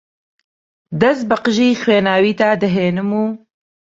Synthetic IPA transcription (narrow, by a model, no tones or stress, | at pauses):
d̪ɐst̪̚bɨqɨʒiːxweːnaːwiːt̪aːd̪ɐɦeːnɨmuː